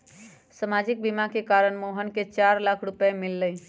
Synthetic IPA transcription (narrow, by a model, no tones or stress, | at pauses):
səmad͡ʒik̚bimakekaɾəɳmoɦənket͡ʃaɾlakʰɾupemilːəj